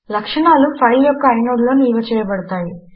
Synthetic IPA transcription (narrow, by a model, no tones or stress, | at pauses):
lɐkʂɐɳaːlupʰɐjljɔkːɐːjnoːɡloːniːʋɐt͡ʃɛːjɐpɐɽɐt̪aːji